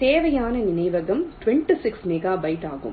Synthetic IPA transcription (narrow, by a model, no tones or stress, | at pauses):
t̪eːʋɐjaːnɐnɪnɐɪʋɐɣɐmʈʋɛɳʈisɪksmɛɣaːbɐɪʈaːɣɯ̰m